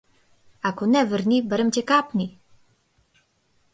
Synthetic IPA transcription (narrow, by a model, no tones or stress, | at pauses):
akonɛvəɾnibəɾəmcʲɛkapni